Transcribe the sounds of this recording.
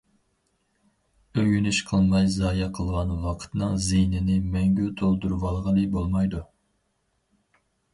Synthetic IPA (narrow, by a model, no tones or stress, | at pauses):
øjynyʃqʰəlˠmɑjzɑːjɛqʰəlˠʁɑnwɑqʰə̥t̪nɨŋzijnɪnɪmɛŋɡʲyt̪ʰolˠd̪uɾwɑlˠʁəlˠɨbolˠmɑjd̪u